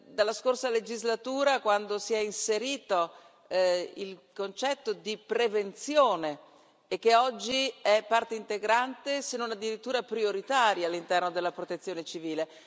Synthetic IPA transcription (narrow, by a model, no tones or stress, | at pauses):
d̪alːaskorsaled͡ʒizlat̪uːɾakwand̪osiɛinseɾiːt̪o | ilkont͡ʃɛt̪ːod̪ipɾevent̪sjoːneː | k̟ːeɔd͡ʒːiɛpːart̪eint̪eɡɾant̪esenːonad̪ːiɾit̪ːuːɾapɾioɾit̪aːɾjaːlːint̪ɛrnod̪elːapɾot̪et̪sːjoːnet͡ʃiviːle